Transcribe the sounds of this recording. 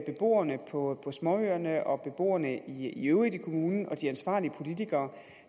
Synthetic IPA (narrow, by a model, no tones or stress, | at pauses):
b̥e̝b̥o̝̰ːɐnəpʰɒ̽pʰɒ̽smɒøɐnəʔɒ̽b̥e̝b̥o̝̰ːɐnəiiøʊʁid̥ikʰo̝muːnn̩ɒ̽d̥iænsʋɑ̰̈ːliəpʰo̝lit͡sʰiɡ̥ɐː